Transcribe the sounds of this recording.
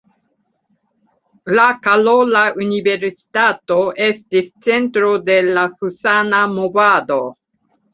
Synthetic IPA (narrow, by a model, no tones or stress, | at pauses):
lakalolaunive̞ɾsi̥tato̞ʔe̞stist͡se̞ntɾo̞de̞lahusanamo̞vado̞